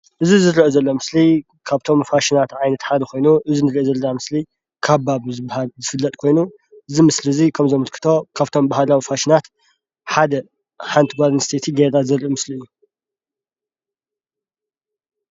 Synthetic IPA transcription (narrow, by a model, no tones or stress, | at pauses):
ʔɨzizɨɾiʔozɐlːo̞mɨsli | kʰaβt̪ʰo̞mfaʃinat̪ʕajnɐt̪ħad̪ɐkʰo̞jnuʔɨzinɨɾiʔezɐlːɐnamɨsli | kʰabaβzɨbhalzɨfɨlːɐt̪ʼkʰo̞jnu | ʔɨzimɨslizikʰɐmzɐmɨlkʰɨ̥t̪ʰo̞kʰaβt̪ʰo̞mbahalawifaʃinat̪ | ħad̪ɐ | ħant̪ʰɡʷaɾnst̪ʰet̪ʰiɡed̪azɨɾʔumɨsliɨjːu